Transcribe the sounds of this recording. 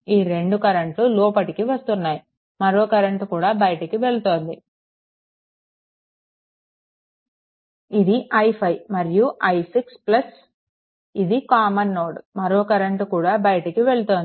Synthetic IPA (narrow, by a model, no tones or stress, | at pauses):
iːɾe̞ɳɖukɐɾɐɳʈluloːpɐʈikiʋɐst̪unːaːji | mɐɾoːkɐɾɐɳʈkuːɽaːbɐjɐʈɐkiʋe̞ɭut̪o̞ːnd̪i | id̪iʔɐjpʰɐjmɐɾijuʔɐjsiksplɐs | id̪ikaːmɐnːoːɽmɐɾoːkɐɾɐɳʈkuːɽaːbɐjɐʈɐkiʋe̞ɭut̪o̞ːnd̪i